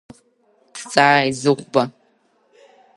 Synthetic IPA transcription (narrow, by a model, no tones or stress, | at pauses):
tʰt͡sʼaːizɨʁʷbɐ